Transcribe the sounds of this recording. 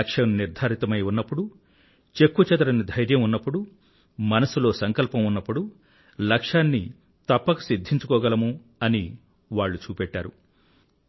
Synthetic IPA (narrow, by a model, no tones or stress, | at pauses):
ɐkʂɐmniɾd̪ʱaːɾit̪ɐmɐjunːɐpːuɽu | t͡ʃe̞kːut͡ʃɐt̪ɐɾɐnid̪ʱɐjɾjɐmunːɐpːuɽu | mɐnɐsulo̞ːsɐŋkɐlpɐmunːɐpːuɽu | lɐkʂaːnːi | t̪ɐpːɐku̥sid̪ʱːiɲt͡ʃukɔːɡɐlɐmu | ɐni | ʋaːɭːut͡ʃuːpɛʈːaːɾu